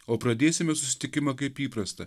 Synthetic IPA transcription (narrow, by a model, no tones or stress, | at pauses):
oːpɾɐd̪ʲeːsʲɪmʲɛsʊsʲɪ̥t̪ʲɪkʲɪmɐkɐɪpiːpɾɐst̪ɐ